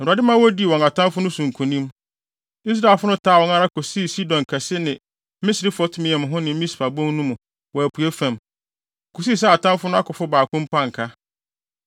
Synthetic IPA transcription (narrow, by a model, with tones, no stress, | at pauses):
n̩˨a˨dɪ˦mã˦wɔ˦di˦˨ɔ̃˨ŋa˨tʰã˦mfʊ˦nʊ̃˦sũ˨ŋ̩˨kʰũ˨nĩ˦m | i˦s̬ɾaː˨lfʊ˦nʊ̃˦tʰaː˦wɔ̃˨˦ŋa˦ɾa˦kʰɔ˨si˦˨si˦dɔ̃˨ŋkʰɛ˨sɪ˦nɪ̃˨˦ | mɪ̃˦sɪ˨ɾɪ˦fʊ˨˦ɔ˦tʰʊ̃˦mɪ̃˨ɛ˨m̃˨ɦʊ̃˦nɪ̃˨m̩˦ĩ˦spʰa˨bɔ̃˦ŋ˦nũ˦mũ˨ | wɔ˨æ˨pʰu˨e˦fã˨m˨ | kʰɔ˨si˦˨s̬ɛ˦a˨tʰã˦m˦fʊ˦nʊ̃˦a˦kʰʊ˨fʊ˦baː˨kʰʊ̃˦m̩˦pʰã˦ŋ̩˨kʰa˦